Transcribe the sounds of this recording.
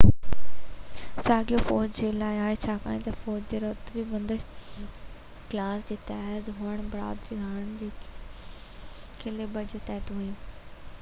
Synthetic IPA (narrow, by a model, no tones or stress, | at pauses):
saːɡijofɔːd͡ʑd͡ʑeːlaːɪaːet͡ɕʰaːka̰ːẽt̪ɐfɔːd͡ʑd͡ʑeːɾɐt̪bʱibɐ̃nd̪əʃ | klaːsd͡ʑeːt̪ɛːɦd̪ɦuːəɽ̃bɐɽa̰ːd̪ɾiɦaːəɽ̃d͡ʑeː | kʰelebɐd͡ʑot̪ɛːt̪uɦujũː